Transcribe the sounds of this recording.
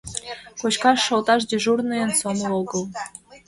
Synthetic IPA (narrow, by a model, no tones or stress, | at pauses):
kot͡ɕkɑʃːolˠt̪ɑʃ̬dʲeʒurnɨjənsonooɡɤlˠ